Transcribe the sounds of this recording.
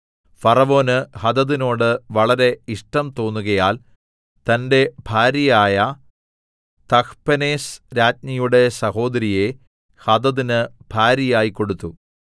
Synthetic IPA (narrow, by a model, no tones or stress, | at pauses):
fɐrɐʋo̞ːnɨhɐd̪ɐðino̞ːɽɨʋɐɭɐɾe̞iʂʈɐmt̪o̞ːnːuɣɐjaːl | t̪ɐnde̞bʱaːɾjɐjaːjɐ | t̪ɐkpɐneːsɾaːt̚nɐjuɽe̞sɐho̞ːd̪ɐɾije̞ | hɐd̪ɐðinɨb̥ʱaːɾjɐjaːjikːo̞ɽut̪ːu